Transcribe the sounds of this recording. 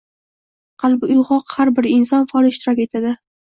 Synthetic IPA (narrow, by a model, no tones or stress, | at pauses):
qʰɑlˠbɪʊjʁɒqhaɾbɪɾɪnsɒnfɒlˠɪʃt̪ɪɾɒkʲe̞t̪ʰad̪ɪ